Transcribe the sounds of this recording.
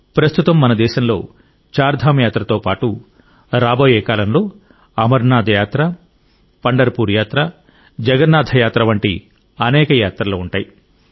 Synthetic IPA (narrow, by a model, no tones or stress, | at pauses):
pɾɐst̪ut̪ɐmːɐnɐd̪ɛːʃɐmlo̞̰ː | t͡ʃaːɾd̪ʱaːmɐjaːt̪ɾɐt̪o̞ːpaːʈu | ɾaːboːjɛːkaːlɐmlo̞ː | ɐmɐɾnaːd̪ʱɐjaːt̪ɾɐ | pɐɳɖɐɾpuːɾjaːt̪ɾɐ | d͡ʒɐɡɐnːaːd̪ʱɐjaːt̪ɾɐʋɐɳʈḭ | ɐnɛːkɐjaːt̪ɾɐloːuɳʈaːji